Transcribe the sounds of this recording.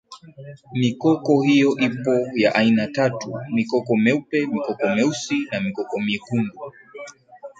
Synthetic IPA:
mikɔkɔhijɔʔipɔjaʔainatatṵmikɔkɔmɛupɛmikɔkɔmɛusinamikɔkɔmikundu

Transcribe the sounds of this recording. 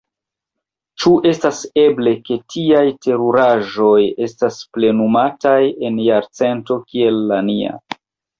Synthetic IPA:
t͡ʃuʔe̞stase̞ble̞ke̞tʰiajte̞ɾuɾaʒo̞je̞stasple̞numataje̞njaɾt͡se̞nto̞kie̞lːania̰

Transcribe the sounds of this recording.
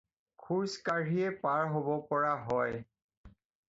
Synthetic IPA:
kʰuɹskaɹiɛpaɹɦobɔpɔɹaɦɔj

